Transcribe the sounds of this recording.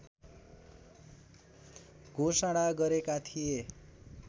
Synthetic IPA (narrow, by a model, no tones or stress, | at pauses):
ɡʱosaɽaɡʌɾekat̪ʰije